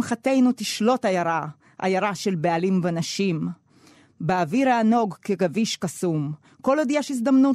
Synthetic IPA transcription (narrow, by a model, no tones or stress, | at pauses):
mχat̪e̞jnut̪iʃlo̞tajaʁa | ʔa̰jaʁaʃe̞lbealimvenaʃim | beaviʁaːno̞ɡkeɡaviʃkasum | ko̞lod̪ijaʃis̬d̪amnu